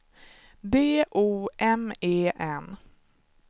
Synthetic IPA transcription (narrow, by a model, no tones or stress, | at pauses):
d̪eːʔuːʔɛmeːʔɛn